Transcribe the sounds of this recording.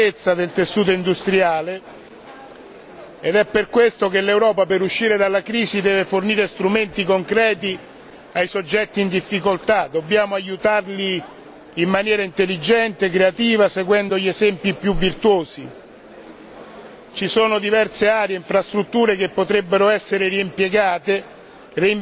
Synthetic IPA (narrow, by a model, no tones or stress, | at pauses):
et̪sːad̪elt̪esːuːt̪oind̪ust̪ɾiaːle | ed̪ɛpːerkwest̪okelːewɾɔːpapeɾuʃːiːɾed̪alːakɾiːsid̪ɛːveforniːɾest̪ɾument̪ikoŋkɾɛːt̪̬i | ajsod͡ʒːɛt̪ːiːnd̪ifːikolt̪ad̪obːjaːmoajut̪arliː | mːanjɛːɾaint̪elːid͡ʒɛnt̪ekɾeat̪iːvaseɡwɛnd̪oʎezɛmpjipjuvːirt̪woːsi | t͡ʃisoːnod̪ivɛrseaːɾjeiɱfɾast̪ɾut̪ːuːɾek̟epːot̪ɾebːeɾoɛsːeɾeɾiimpjeɡaːt̪e | ri